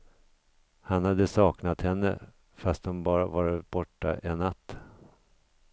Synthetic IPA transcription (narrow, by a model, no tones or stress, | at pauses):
hanhad̪ːəsɑːknat̪hɛnːə̰ | fast̪̚dɔmbɑːɾavaɾb̥ɔʈːa̰ʔɛnːat̪ː